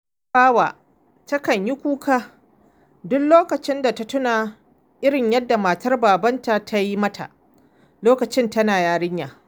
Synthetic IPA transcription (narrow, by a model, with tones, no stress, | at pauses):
baː˦waː˨ | tɐ˦kɐ˨ɲji˦kʷuː˦kaː˦ | dʊ˦kloː˦kɐ˨t͡ʃɪ˦nda˨ta˦tʊ˦naː˨ | ʔɪ˦ɽɪ˨ɲjɐ˦dːa˨maː˨tɐ˦rbaː˨bɐ˦nta˨tʰa˦ji˦mɐ˦tʰa̰˨ʔ | loː˦kɐ˨t͡ʃɪ˦ntɐ˦naː˨jaː˦ɽɪ˦ɲjaː˨